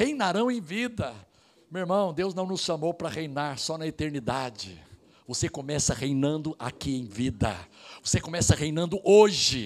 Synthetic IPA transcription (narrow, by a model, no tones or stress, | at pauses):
hejnaɾɐ̃w̃ẽj̃vid̪ɐ | meeɾmɐ̃w̃d̪ewznɐ̃w̃nʊsʃɐmowpɾɐʁejnaɾsɔnɐet̪eɾnid̪ad͡ʒɪ̰ | vosekõmɛsɐʁejnɐ̃nd̪ʊʔa̰kiẽj̃vid̪ɐ̰vosekõmɛsɐhejnɐ̃nd̪ʊʔoʒɪ